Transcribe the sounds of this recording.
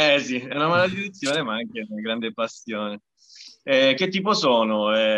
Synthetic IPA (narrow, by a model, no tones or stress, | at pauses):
ɛsiɛunamalad̪iɾet̪sːjoːnemaaŋk̟eaɡɾand̪epasːjoːne | ɛk̟ːet̪ːiːp̬osoːnoɛ